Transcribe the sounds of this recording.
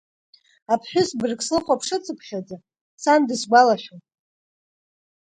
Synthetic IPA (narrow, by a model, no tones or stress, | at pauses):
apʰħᶣʊsbɨrkʼslɨχʷapʰʂɨt͡sʼɨpʷʰχʲad͡za | sandɨsɡʷalaʃʲotʼ